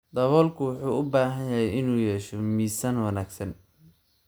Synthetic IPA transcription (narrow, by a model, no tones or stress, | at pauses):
d̪ɐβɔːlkʰʊwʊħuːʊbaːɦɐnjɐɦɛjɪnuːjɛːʃɔmiːsɐnwɑnaːɡsɐn